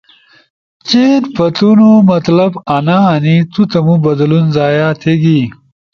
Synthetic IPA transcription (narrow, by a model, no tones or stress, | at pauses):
t͡ɕeːɾpʰɐt̪unumɐt̪lɐbɐnaːnit̪ut̪ɐmubɐd̪lunzaːjaːt̪ʰeɡi